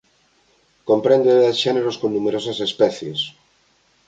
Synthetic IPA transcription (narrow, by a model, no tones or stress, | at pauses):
kompɾẽnd̪oeasʃɛneɾoskonnumeɾosɐsespɛθjḛs